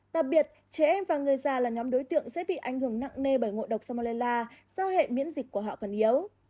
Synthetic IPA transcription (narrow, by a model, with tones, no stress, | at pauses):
ɗa˨˩k̚ɓi˨˩ət̚ | t͡ɕɛ˨˦ʔɛ˧mvaː˨˩ŋɨ˨˩əjzaː˨˧˩laː˨˩ɲɔ˨˦mɗo˨˦jt̪ɨ̰˧˨əŋsɛ̰˧˥ɓḭ˧˨ʔa˧˩jŋhɨ˧˩əŋna̰˧˨ŋne˧ɓəː˧˩jŋo̰˧˨ɗə˨˩wk͡p̚saː˧m˧le˧laː˧zaː˧whḛ˧˨mḭ˧˥ənzï˨˩k̚ku˧˩əɦɔ̰˧˨kɔ˨˩nʔi˨˦əw